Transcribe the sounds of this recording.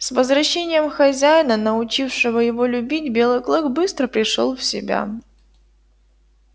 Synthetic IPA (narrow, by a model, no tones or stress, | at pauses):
svəzvɾɐɕːenʲɪjəmxɐzʲæjɪnənəʊt͡ɕifʂɨvəjɪvolʲʊbʲitʲbʲe̞lˠɨjklˠɨkbɨst̪ɾəpɾʲɪʂo̰lˠfsʲɪ̰bʲa̰